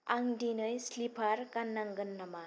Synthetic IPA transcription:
aŋdinɯjslipʰaɾkanːaŋɡɯnːama

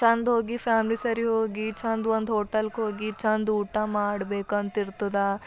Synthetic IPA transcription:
t͡ʃʰɐnd̪ɦoːɡipʰaːmlisɐɾiɦoːɡit͡ʃʰɐnd̪ond̪ɦoːʈɐlkɦoːɡit͡ʃʰɐnd̪uːʈamaːɽbeːkɐnt̪iɾt̪ɐd̪a

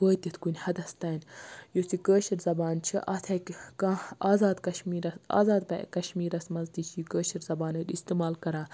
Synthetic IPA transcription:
koːjt̪ʲit̪ʰkunʲhɐd̪ɐst̪ɐːnjosikəːʃɐɾzɐbaːnt͡ʃʰḭʔɐt̪ʰɐkʲkãaːzaːd̪kɐʃmiːɾɐsa̰ːzaːd̪̚pɐ̰kɐʃmiːɾɐsmɐzt̪iːt͡ʃʰijikəːʃiɾzɐbaːnɐd̪ʲist̪iːmaːlkɐɾãː

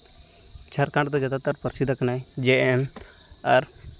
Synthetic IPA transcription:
t͡ʃʰɐɾkãɳɖt̪ɔd͡ʒat̪at̪əɾpəɾsid̪aknaj | d͡ʒeɛm | ɐɾ

